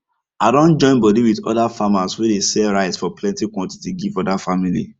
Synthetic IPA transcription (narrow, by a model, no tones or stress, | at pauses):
aɪdõnd͡ʒɔ̃ɪ̃nbɔdiwidɔ̰dafamaswedesɛlɹaɪtsfɔplɛ̃ntikwɔ̃nti̥tiɡivɔdafamilḭ